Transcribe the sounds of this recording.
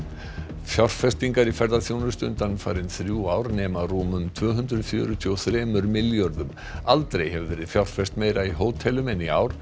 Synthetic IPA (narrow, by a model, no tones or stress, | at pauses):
fjawr̥fɛst̪iŋkaɾifɛɾðaθjoːwnʏɾst̪ʏnt̪anfa̰ːɾɪnθɾjuːaːwɾnɛːmaruːmʏmt̪ʰv̥œːɦʏnd̪ɾʏðfjœ̰ːɾʏt̪ʰiɔθɾɛːmʏɾmɪljɔɾðʏm | alt̪ɾejhɛvʏvɛːɾɪðfjawr̥fɛst̪meːjɾaiɦoːwt̪ʰɛlʏmɛnia̰ːwɾ̥